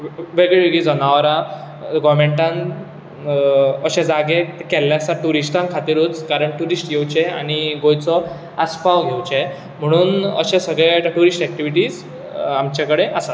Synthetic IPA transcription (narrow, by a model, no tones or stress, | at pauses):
ʋeɡɭeʋeɡid͡zɔnaʋɾã | ɡɔɾmeɳʈãn | əɕẽd͡zaɡekɛlːjasaʈuɾisʈãnkʰat̪iɾuːt͡skaɾəɳʈuɾisʈɡewt͡ɕea̰ɽ̃iɡojt͡sɔ | aspaʋɡʱewt͡ɕe | m̤əɽ̃uːnə̰ɕẽsəɡɭeʈəʈuɾisʈɛk̚ʈiʋiʈiːd͡z | amt͡ɕakəɽeʔəsat̪